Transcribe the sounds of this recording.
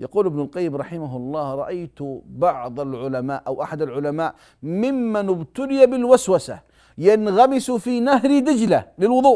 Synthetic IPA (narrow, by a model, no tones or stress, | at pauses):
jɑquːlʔɪbnʊlqɑjːɪmɾˤɑħɪmaɦɑlˤːɑːhɾˤɑʔajt̪bɑʕd̪ˤɑlʕʊlamaːʔawʔaħad̪alʕʊlamaːʔ | mɪmːanɪbt̪ʊlɪjabɪlwaswasa̰ | janɣamɪsfiːnahɾid̪ɪd͡ʒlalɪlwʊðˤuːʔ